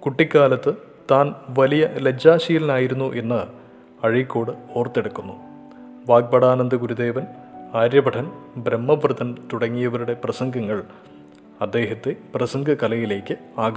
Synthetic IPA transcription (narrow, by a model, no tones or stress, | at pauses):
kuʈːikʲːaːlɐt̪ːɨ | t̪aːnʋɐlijɐled͡ʑaːɕijilɐnaːjiɾunːuʔe̞nːɐ | ɐɻikʲːo̞ːɽɨo̞ːrt̪ːe̞ɽukːunːu | ʋaːk̚bɐɽaːnɐnd̪ɨɡuɾud̪e̞ːʋɐnaːɾjɐbɐʈʰɐnbɾemːɐʋrɨt̪ɐnt̪uɽɐŋːijɐʋɐɾuɽe̞prɐsɐŋɡʱɐŋːɐɭ | ɐd̪ːe̞ːɦɐt̪ːeprɐsɐŋɡʱɐkɐlɐjile̞ːkʲːɨaːɡɐ